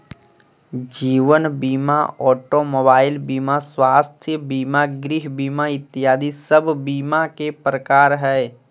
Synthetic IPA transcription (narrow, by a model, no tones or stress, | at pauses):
d͡ʒiːʋənbiːma̰ɔːʈomoːbaːɪlbiːmaswaːst̪ʰjəbiːmaɡɾɪɦbiːmaɪt̪ːɪjaːd̪isəbʱbiːmakepɾəkaːɾɦɛː